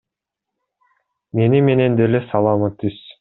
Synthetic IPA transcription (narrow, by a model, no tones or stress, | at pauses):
me̞nime̞ne̞nd̪elesɑlˠɑmɯt̪ːys